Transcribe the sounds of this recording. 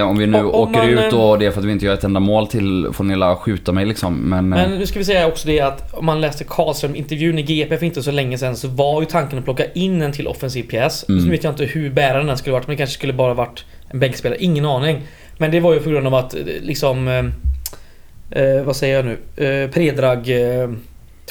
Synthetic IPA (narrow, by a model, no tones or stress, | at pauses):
ɔmvɪnʉ̟ːʔoːəɾʉ̟ːt̪d̪ɔd̪ɛæɾfœɾat̪vɪɪnt̪əjœːɾɛt̪ɛnd̪amoːlt̪ʰɪlfonɛlaɧʉ̟ːt̪amɛjlɪksɔmːɛnmɛnnʉːskavɪs̬ɛjːaaɔksɔd̪ɛat̪ɔmːanlɛːst̪əkʰɑːlst̪ɾœɾmɪ̰nt̪əɾvjʉ̟ːnɪɡeːɛpɛfɪnt̪əsɔlɛŋːəsɛnsɔvaɾjɵt̪ʰaŋkənɔpʰlɔkːaʔɪnːɛnt̪ʰɪlʔɔ̰fɛnsiːvpʰɪɛːsnʉveːt̪jant̪əhɵɾbæːɾad̪ɛnːæskɵlːəvaʈːmɛnd̪ɛkʰanʂə̥skɵlːəbɑːɾavaʈː | ʔɛnbɛŋkspeːlɾəʔɪŋːənɑːnɪŋ | mɛnd̪ɛvaɾjɵpʰɔɡɾɵnd̪avat̪lɪksɔm | vasɛjːəɾjanʉ̟̰ːpʰɾeːd̪ɾɑːɡ